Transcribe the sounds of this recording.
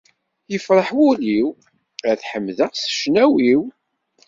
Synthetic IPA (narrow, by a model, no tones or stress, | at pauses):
jəfɾˤəħwʊliw | æθħəmːðəʁsə̥ʃnæwiw